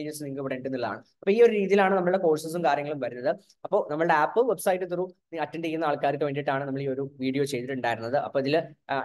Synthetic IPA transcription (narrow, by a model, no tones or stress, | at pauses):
jusniŋkɨpɽeɳʈunːilɐða̰ːɳɨ | ɐpːoːiːo̞ɾuɾiːðijilaːɳɨnɐmːɐɭɨɽe̞ko̞ːɻsɐs̬umkaːɾjɐŋːɐɭumʋɐɾunːɐðɨ | ɐpːo̞ːnɐmːɐɭɨɽeaːpːɨʋe̞bsɐjʈːɨt̪̬uruniɐtːɐnejːunːɐaːɭkaːɾikʲːɨʋeɳɖiʈːaːɳɨnɐmːɐɭiːo̞ɾuʋiːɽijo̞ːt͡ɕe̞jt̪iʈːuɳɖaːjiɾunːɐðɨʔɐ̰pːo̞ːiðil